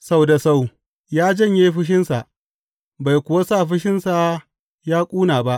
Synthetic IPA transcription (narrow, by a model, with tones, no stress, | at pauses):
sa˦wda˨sa˦˨w | jaː˦d͡ʒɐ˦˨ɲjeː˦ɸɪ˦ʃ̬ɪ˦nsa˨ʔ | ba˨jkʷʊ˨wa˦sa˦˨ɸɪ˦ʃɪ˦nsa˨ | jaː˦kʷʼuː˦naː˨ba˦ʔ